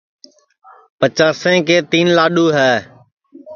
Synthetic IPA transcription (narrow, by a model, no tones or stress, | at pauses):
pət͡ʃaːsẽːkeːt̪iːnlaːɗuːɦɛː